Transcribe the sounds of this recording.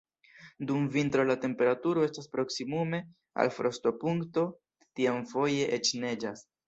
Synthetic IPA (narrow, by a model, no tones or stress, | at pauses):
dumvintɾo̞late̞mpe̞ɾatuɾo̞e̞staspɾo̞ksimume̞ | a̰lfɾo̞sto̞puŋkto̞ | tiamfo̞je̞ʔet͡ʃne̞d͡ʒas